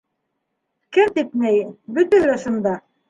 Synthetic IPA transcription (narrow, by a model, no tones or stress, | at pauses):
kɘmt̪ip̪næjbɵ̆t̪ælæʃund̪ɑ